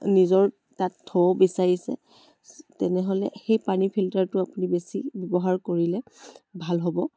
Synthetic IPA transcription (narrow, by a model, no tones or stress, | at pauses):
nizɔɹ | tatʰːɔɔbisaɹisɛ̰ | tɛnɛɦolɛxejpanipʰiltaɹtʊapunibesibɔbɔɦaɹkoɹilɛbʱalɦɔbɔ